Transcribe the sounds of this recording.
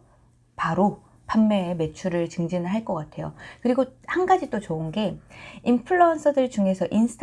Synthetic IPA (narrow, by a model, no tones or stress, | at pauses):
paɾo | pamːe̞me̞t͡ɕʰuɾɯɭt͡ɕɯŋd͡ʑinɯɭɦaɭk͈ʌk͈atʰe̞jo̰kɯɾiɡohanɡad͡ʑit͈ot͡ɕounɡe̞impʰɯɭːʌːnsʰɯdɯɭt͡ɕuŋe̞sʰʌʔinsʰɯ̥tʰ